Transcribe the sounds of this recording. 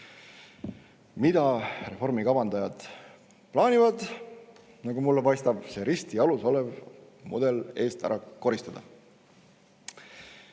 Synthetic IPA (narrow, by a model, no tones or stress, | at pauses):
mid̪̥ɑre̞fo̞rmikɑbɑnd̪̥ɑjɑd̪̥ | plɑːnʲivɑd̪̥ | nɑɡumulːepɑjst̪ɑb̥se̞ɾist̪iɑluso̞lev | mṵd̪̥e̞le̞ːst̪æ̰ɾʔɑko̞ɾist̪ɑd̪̥ɑ̰